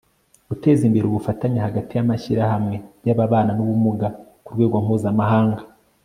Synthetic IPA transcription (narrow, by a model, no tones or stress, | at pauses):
ɡute̞ːzimbe̞ɾuβufataɲahaɡatijamaçiɾahamŋe̞ɟaβaβaːnanuβumuɡa | kuɾɡwe̞ːɡwam̥uːzamahaːŋɡa